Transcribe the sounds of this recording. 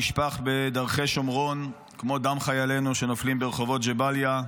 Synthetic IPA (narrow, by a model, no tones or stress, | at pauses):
iʃpaχbe̞d̪aʁχe̞jʃomʁo̞n | kmo̞d̪amχajale̞nuʃe̞noflimbeeχo̞vo̞t̪d͡ʒebalja